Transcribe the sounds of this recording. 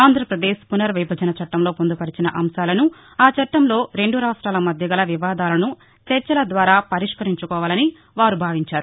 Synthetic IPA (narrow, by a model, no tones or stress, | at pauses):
aːnd̪ʱɾɐpɾɐd̪eːʃpunɐɾʋibʱɐd͡ʒɐnɐt͡ʃɐʈːɐmlo̞ːpond̪upɐɽit͡ʃinɐʔɐmsaːlɐnu | aːt͡ʃɐʈːɐmlo̞ːɾe̞ɳɖuɾaːʂʈɾaːlɐmɐd̪ʱjɐɡɐlɐʋiʋaːd̪aːlɐnu | t͡ʃɐɾt͡ʃɐlɐd̪ʋaːɾaːpɐɾiʂkɐɾiɲt͡ʃukɔːʋaːlɐni | ʋaːɾubʱaːʋiɲt͡ʃaːɾu